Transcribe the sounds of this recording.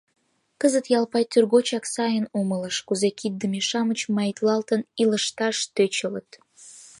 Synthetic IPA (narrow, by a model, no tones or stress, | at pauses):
kəzət̪jɑlpɑjt̪yrɣot͡ɕɑksɑjənumələʃkuzekid̪̚d̪əmeʃɑmət͡ɕmɑjt̪lɑlt̪əniləʃt̪ɑʃt̪øt͡ɕələt̪